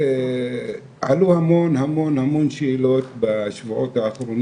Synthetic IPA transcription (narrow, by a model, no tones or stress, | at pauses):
e | ʕa̰luhamonhamo̞nhamo̞nʃeilo̞t̪baʃvuʕot̪haːχɾon